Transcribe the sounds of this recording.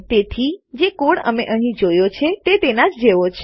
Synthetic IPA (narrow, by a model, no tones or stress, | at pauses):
t̪et̪ʰid͡ʒekoɽə̰meʔəɦĩd͡ʒojot͡ʃʰet̪et̪enad͡ʒd͡ʒeʋot͡ʃʰ